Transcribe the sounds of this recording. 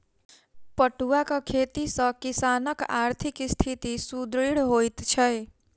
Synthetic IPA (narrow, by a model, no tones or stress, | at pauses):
pʌʈuakʌkʰet̪isʌkisanʌka̰ɾt̪ʰikst̪ʰit̪isud̪ɾiɽɦojt̪t͡ʃʰʌj